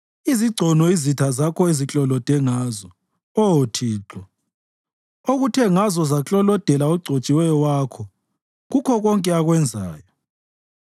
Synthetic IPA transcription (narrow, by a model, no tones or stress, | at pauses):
iziɡ͡ǀʱɔnɔizitʰazakʰɔezit͡ɬʼɔlɔd̥ʱɛŋaːzɔ | ɔotʰiːǁɔ | oɣutʰɛŋazɔzat͡ɬʼɔlɔd̥ʱɛlaoɡ͡ǀʱot͡ʃʼiwɛjɔwakʰɔ | ɣukʰɔɣɔŋkʼɛaɣwɛnd͡zʱa̰ːjɔ